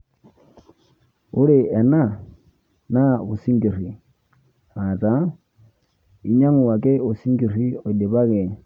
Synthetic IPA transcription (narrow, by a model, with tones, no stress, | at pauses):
ʊ˦ɺɪ˦ɛ˨na˦˨ | na˦βu˨si˦ŋɡi˨r̤i˨ | a˨tʼa˦ | i˨ɲa˦ŋu˨wa˨kʼɛ˦o˨si˦ŋɡi˨ri˦ɔ˨di˨βa˦kɛ˨